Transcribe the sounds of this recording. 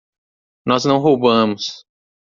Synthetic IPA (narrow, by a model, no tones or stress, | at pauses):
nɔznɐ̃w̃ɦowbɐ̃mʊs